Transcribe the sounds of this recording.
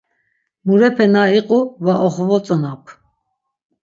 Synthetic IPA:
muɾɛpʰɛnaiqʼuvaʔɔχvɔt͡sʼɔnapʰ

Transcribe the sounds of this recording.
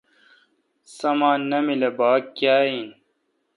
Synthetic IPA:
sɐmaːnːɐmilebaːkːjaːin

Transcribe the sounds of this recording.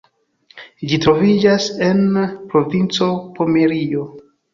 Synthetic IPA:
d͡ʒitɾo̞vid͡ʒase̞npɾo̞vint͡so̞po̞meɾio

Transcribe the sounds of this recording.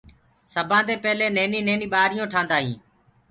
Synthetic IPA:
səbʱãːd̪eːpɛːleːneːniːneːniːɓaːɾɪjõːʈʰãːnd̪aːɦĩː

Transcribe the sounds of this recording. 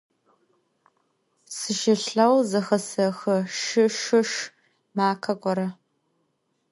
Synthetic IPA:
sɨʃɪɬɐwzɐxɐsɐxɐʃɨʃɨʃ | maːkʰɐkʷʼɔɾɐ

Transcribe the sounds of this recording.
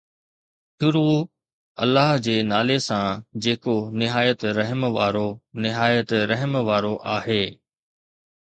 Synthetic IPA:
ʃʊɾu | ɐ̰lːəɦd͡ʑeːnaːlesãd͡ʑeːkonɪɦaːjət̪ɾɐɦmʋaːɾonɪɦaːjət̪ɾɐɦmʋaːɾoʔaːɦeː

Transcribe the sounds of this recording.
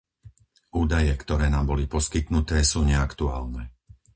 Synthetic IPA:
uːd̪ajɛkt̪ɔɾɛːnaːmbɔlipɔskit̪nut̪ɛːsuːɲɛakt̪ua̰ːlnɛː

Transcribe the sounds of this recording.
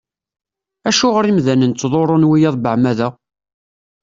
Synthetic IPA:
æʃʊʁəɾimðænənt͡s̪t͡sːðˤoɾˤonwijɑðˤbəʕmæðæ

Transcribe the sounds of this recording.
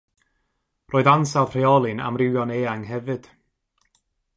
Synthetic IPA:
roːðansawˠðr̥eɔlˠɨna̰mrɪwjɔneːaŋɦɛvɨd̥

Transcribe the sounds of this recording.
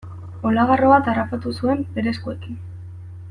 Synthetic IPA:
o̞laɣaroβat̪arapat̪usue̞mbe̞ɾe̞skue̞kin

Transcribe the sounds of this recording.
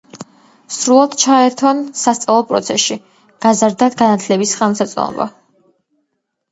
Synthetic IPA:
sɾulˠad̪t͡ʃʰaɛɾt̪ʰɔnsast̪sʼɛlˠɔpʼɾɔt̪sʰɛsʃi | ɡ̥azaɾd̪aɡanat̪ʰlɛbisχamsat̪sʼɔ̰nɔ̰ba̰

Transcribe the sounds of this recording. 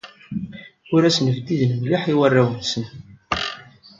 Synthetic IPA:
ʊɾæsənvd̪ːiðənmliħiwərːæwənsən

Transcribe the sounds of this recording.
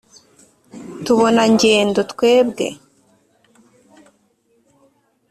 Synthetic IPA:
tuβo̞naɲɟe̞ːndotkwe̞ːbɡe̞̰

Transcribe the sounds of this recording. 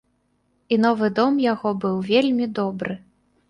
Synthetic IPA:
inɔvɨd̪ɔmjaɣɔbɨwvʲelʲmʲid̪ɔbɾɨ

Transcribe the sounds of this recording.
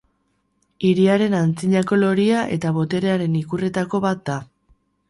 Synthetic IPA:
iɾiaɾe̞nant͡siɲako̞lo̞ɾiaʔe̞̰t̪aβo̞t̪e̞ɾe̞aɾe̞nikure̞t̪ako̞βat̪̚d̪a

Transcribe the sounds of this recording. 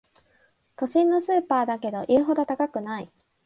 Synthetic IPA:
k̪oɕĩnːo̞sɨːpaːd̪ake̞d̪o̞ʔiːɦo̞d̪o̞t̪akakɯ̟nai

